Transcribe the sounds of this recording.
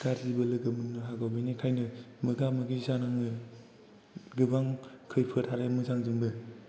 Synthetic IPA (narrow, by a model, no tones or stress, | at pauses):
kaɾzibɯlɯɡɯmɯnːɯɦaɡawbɯjnikʰajnɯmɯɡamɯɡizanaŋɯ | ɡɯbaŋkʰɯjpʰɯtʰaɾamɯzaŋzɯŋbɯ